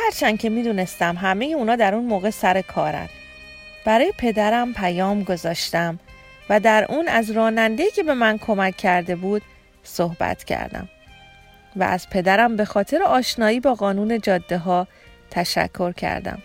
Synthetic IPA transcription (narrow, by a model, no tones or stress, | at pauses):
hæɾt͡ʃʰæncʰe̞miːd̪uːne̞st̪æmɦæme̞je̞uːnɒːd̪æɾunmoːɣe̞sæɾe̞kʰɒːɾæ̰n | b̥æɾɒːje̞pʰe̞d̪æɾæmpʰæjɒːmɡo̞zɒːʃt̪æm | væd̪æɾʔuːnæzɾɒːnænd̪eiːcʰe̞be̞mænkʰo̞mæcʰːæɾd̪e̞buːd̪̥ | sohbæ̰t̪ʰcʰæ̰ɾd̪æ̰m | væ̰ʔæz̥pʰe̞d̪æɾæmbe̞xɒːt̪ʰe̞ɾeɒːʃnɒːiːbɒːɣɒːnuːne̞d͡ʒɒːd̪ːe̞ɦɒː | t̪ʰæʃæ̰kʰːo̞ɾcʰæ̰ɾd̪æ̰m